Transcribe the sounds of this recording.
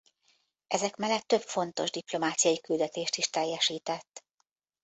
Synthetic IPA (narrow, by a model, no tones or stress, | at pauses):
ʔɛzɛkmɛlːɛt̪ːø̞pfo̞nt̪o̞ʒd̪iplo̞maːt̪sijɒjikyld̪ɛt̪eːʃt̪iʃt̪ɛjːɛʃiːt̪ɛt̪ː